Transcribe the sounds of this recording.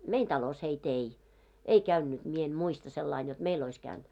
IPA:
mein tɑlos heit ei ei kæynːyt mie en muistɑ selːɑin jot meil ois kæynd̥

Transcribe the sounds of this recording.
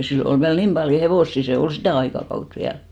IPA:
silːo ol ʋiæl nim pɑljo heʋoˑsːi seː ol sitæˑ ɑikɑkɑut ʋiæl

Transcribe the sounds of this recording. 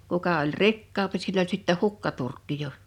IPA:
kukɑ olʲ rikːɑːmpi silː olʲ sitːæ hukːɑturkːi jo

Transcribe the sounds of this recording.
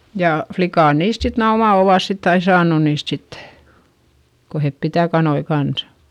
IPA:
jɑˑ flikɑˑn niːst sit næː omɑ oʋɑˑs sitː ɑi sɑːnu niːst sitːe̥ ko hep pitæˑ kɑnoi kɑnsɑ̥

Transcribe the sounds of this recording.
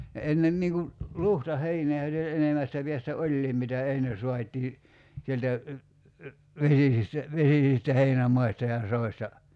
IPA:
ne enːem niːŋ ku luhtɑheineː olʲ jɑ enemæstæ piæstæ olʲliːm mitæ enːe suɑtʲiː sieltæ ʋesisistæ ʋesisistæ heinæmɑistɑ jɑ soistɑ

